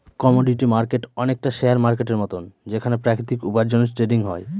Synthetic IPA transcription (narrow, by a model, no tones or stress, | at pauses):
kɔmoɖiʈimaɾkeʈɔnek̚ʈaʃeaɾmaɾkeʈeɾmɔt̪ond͡ʑekʰanepɾakɾit̪ikupaɾd͡ʑoneɾsʈɾeɖiŋɦɔe